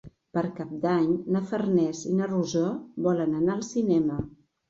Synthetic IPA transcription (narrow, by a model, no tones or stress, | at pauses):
pəɾkap̚d̪aɲnəfərnɛzinəruzɔbɔlənənaəlˠsinɛmə